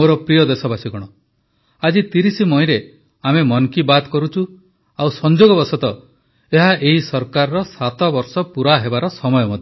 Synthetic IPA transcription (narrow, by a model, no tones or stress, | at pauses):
oɾɔpɾijɔd̪esɔbasiɡɔɽ̃ɔ | ad͡ʒit̪iɾisimɔĩɾe | amemɔnkibad̪kɔɾut͡ʃʰu | awsɔnd͡ʒoɡɔbɔɾsɔt̪ɔ | eɦaʔeɦisɔɾkaɾɔɾɔsat̪ɔbɔɾsɔpuɾaɦebaɾɔsɔmɔjɔmɔd̪ʱe